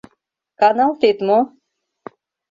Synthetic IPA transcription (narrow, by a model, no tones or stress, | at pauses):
kanalˠt̪et̪mu